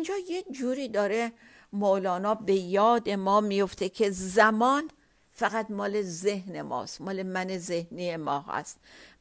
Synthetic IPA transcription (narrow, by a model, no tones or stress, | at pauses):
ind͡ʒɒːjed͡ʒuːɾiːd̪ɒːɾe̞ | molɒːnɒːbe̞jɒːd̪e̞mɒːmijoft̪ʰe̞kʰe̞zæmɒːn | fæɣæt̪mɒːle̞zehne̞mɒ̰ːst̪mɒːle̞mænezehniːje̞mɒːɦæ̰st̪